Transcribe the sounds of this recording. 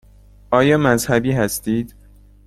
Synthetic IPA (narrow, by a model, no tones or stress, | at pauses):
ʔɒːjɒːmæzhæbiːhæst̪iːd̪̥